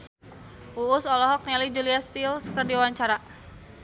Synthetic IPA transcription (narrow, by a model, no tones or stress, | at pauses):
ʔuːsɔlɔɦɔk̚nɛlid͡ʒuliast̪ilsəkərdiawaɲt͡ʃaɾa